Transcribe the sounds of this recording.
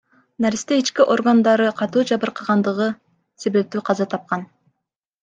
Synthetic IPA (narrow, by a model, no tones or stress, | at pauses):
naɾʲist̪eit͡ʃkiʔo̞rɡand̪ɑɾɯqʰɑt̪uːd͡ʒɑβɯɾqʰɑʁɑnd̪ɯʁɯ | se̞βe̞p̚t̪yːqʰɑzɑt̪ʰɑp̚qɑn